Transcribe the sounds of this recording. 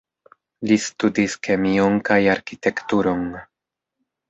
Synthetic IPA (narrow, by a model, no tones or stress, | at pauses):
listudiske̞mioŋkajaɾkite̞ktuɾo̞n